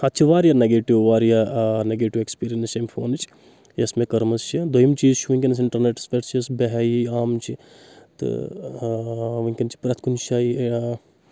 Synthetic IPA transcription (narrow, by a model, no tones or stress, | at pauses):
ɐt̪ːt͡ʃʰiʋaːɾjaneɡeːʈiʋʋaːɾjaneɡeːʈiʋekspiːɾiɐnseːmpʰo̰ːnɨt͡ʃʰ | esmekɐɾmɐst͡ʃʰid̪ojimt͡ʃiːzt͡ʃʰuʋɐŋʲkʲɐns̬ɪɳʈɐɾneʈspeʈt͡ʃʰɐsbeɦajiaːmt͡ʃʰi | t̪ɨ̰ | ʋɐŋʲkʲɐnt͡ʃʰi̥pɾɐt̪ʰkunʃaːi